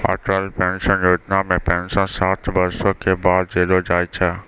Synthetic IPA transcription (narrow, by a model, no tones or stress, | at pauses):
a̰ːʈɾalpɛ̃nʃənjoːʈ̪naːmːẽpɛ̃ɲnd͡ʑsɔ̃saːt̪ʰbɐɾsõkʰebaːd̪̚d͡ʒeːlod͡ʒaːit͡ʃʰaː